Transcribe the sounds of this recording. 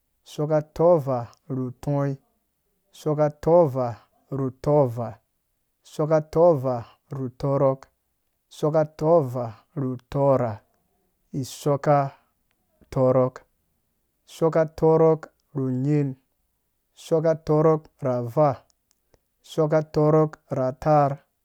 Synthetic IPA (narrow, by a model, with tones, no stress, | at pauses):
sɔ˦ka˦tɔ˦va˨ | ɾu˨tʰɔ̃˦i˦ | so˦ka˦tɔ˦va˨ | ɾu˨tɔ˦va˨ | sɔ˦ka˦tɔ˦va˨ | ɾu˨tɔ˦ɾɔ˦k | sɔ˦ka˦tɔ˦va˨ | ɾu˨tɔ˦ɾa˨ | i˨sɔ˦ka˦ | tɔ˦ɾɔ˦k | so˦ka˦tɔ˦ɾɔ˦k | ɾu˨ɲe˦n˨ | sɔ˦ka˦tɔ˦ɾɔ˦k | ɾa˨va˦˨ | so˦k̬a˦tɔ˦ɾɔ˦kɾa˨ta˦ɾ